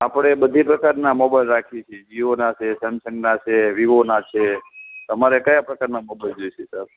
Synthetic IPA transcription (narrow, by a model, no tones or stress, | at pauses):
apɽ̃ebəd̪ʱipɾəkaɾnamɔbalɾakʰit͡ʃʰed͡ʒiʋonat͡ʃʰesə̃nsəŋɡnat͡ʃʰeʋiʋonat͡ʃʰet̪əmaɾekəjapɾəkaɾnamɔbald͡ʒojt͡ʃʰesəb